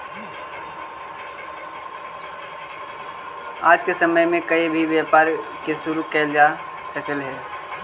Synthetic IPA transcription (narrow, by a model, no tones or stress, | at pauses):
a̰ːd͡ʒkesəməjmẽkəibʱiʋjaːpaːɾkesʊɾukɛːld͡ʒa | səkəlɦɛː